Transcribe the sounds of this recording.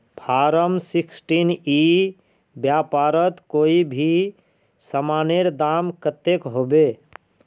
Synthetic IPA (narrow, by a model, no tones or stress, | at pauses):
pʰaːɾəmsiksʈini | bjapaːɾət̪koːibʱi | səmaːneɾd̪amkət̪ːekɦobe